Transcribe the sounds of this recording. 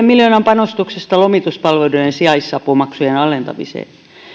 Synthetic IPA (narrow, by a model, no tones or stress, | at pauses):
emiljoːnɑmpɑnost̪uksest̪ɑlomit̪uspɑlʋeluensiɑisːɑpumɑksujenɑlent̪ɑmḭsḛː